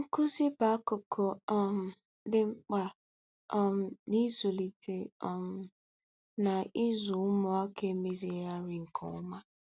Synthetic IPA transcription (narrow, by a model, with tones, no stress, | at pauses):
ŋ̩˦kʊ˦zi˦ba˨˦ko˨kʰo˨m̩˨ | dɪ˦ŋ͡m̩˦k͡pa˨ | m˨ni˦zo˨li˨te˨˦˨m˨ | na˨ɪ˦zʊ˨ʊ˦mɔ˦a˦ke˨˦me˦zi˨˦ja˦ɾi˨ŋ̩˨kʰɔ̰˨ʊ˦ma˦